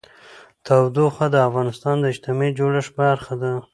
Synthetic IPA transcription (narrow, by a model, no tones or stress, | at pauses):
t̪awd̪oxad̪əafɣɑnɪst̪ɑnd̪əɪd͡ʒt̪ɪmed͡ʒoɽaʂbaɾxad̪a